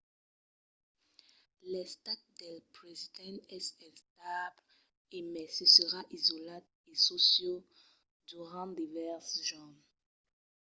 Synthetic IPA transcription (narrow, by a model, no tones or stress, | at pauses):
lɛst̪at̪̚d̪ɛlpʁezid̪ɛ̃nɛsɛ̃st̪abl | emɛsəsəʁaʔizɔlat̪ | esosjo | d̪yʁɑ̃d̪ivɛʁsʒɔn